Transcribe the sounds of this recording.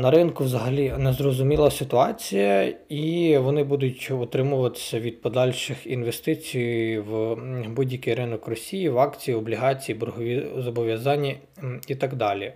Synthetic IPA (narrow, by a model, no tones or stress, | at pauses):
nɐɾɪnkʊwzɐɦɐlʲinɛzrɔzʊmʲilˠɐsɪt̪ʊɑt͡sʲijɐiʋɔnɪbud̪ʊtʲɔt̪ɾɪmʊʋɐt̪ɪ̥sʲɐʋʲid̪̚pɔd̪ɑlʲʃɪxinʋest̪ɪt͡sʲijwbudʲjɐkɪjɾɪnɔkrɔsʲijiʋɑkt͡sʲijiɔblʲiɦɑt͡sʲijibɦɔʋʲizɔbɔʋʲjɐzɑnʲːi | it̪ɑɡd̪ɑlʲi